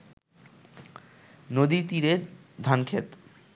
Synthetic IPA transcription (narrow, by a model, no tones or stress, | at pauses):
nod̪iɾt̪iɾe | d̪ʱankʰet̪